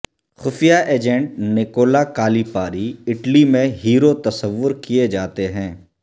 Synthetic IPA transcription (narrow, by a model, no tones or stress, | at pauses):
xʊfijaʔeːd͡ʒɛ̃ɳʈ̚nɪkoːlakaːlipaːɾiɪʈlimẽɦiːɾot̪ɐsəʋːʊɾkied͡ʒaːt̪eɦɛ̃ː